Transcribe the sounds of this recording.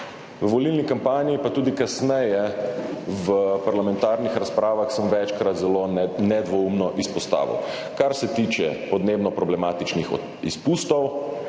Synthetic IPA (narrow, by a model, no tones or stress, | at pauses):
ʋəʋɔlilnikampaːniipat̪uːd̪ikasnɛjɛ | ʋəpaɾlamɛ̃nt̪aːɾnixɾaspɾaːʋaxsəmʋɛt͡ʃkɾat̪zɛlonɛd̪ʋɔumnɔʔispɔst̪a̰ːʋḭw | kaɾsɛt̪iːt͡ʃɛpɔd̪neːbnɔpɾɔblɛmaːt̪it͡ʃnix | ispust̪ɔw